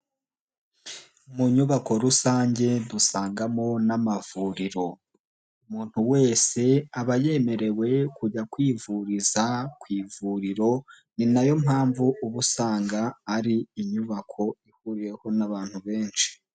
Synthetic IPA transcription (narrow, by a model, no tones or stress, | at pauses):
muɲuβako̞ɾusaːɲɟe̞βusaːŋɡamo̞namavuɾiɾo̞ | umuːn̥huwe̞ːse̞aβaje̞me̞ɾe̞we̞kuɟakwiːvuɾizakwiːvuɾiɾo̞ | ninajo̞mɦaːɱvuuβusaːŋɡaːɾiːɲuβakʰo̞ihuɾije̞ho̞naβaːn̥huβe̞ːnʃi̥